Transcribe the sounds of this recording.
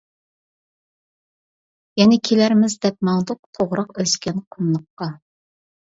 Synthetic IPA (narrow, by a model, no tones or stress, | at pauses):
jɛnɪkʲʰelæɾmɪzd̪ɛp̚mɑŋd̪ʊq̚t̪ʰoʁɾɑqøskʲɛnqʰonːˠʊqːɑ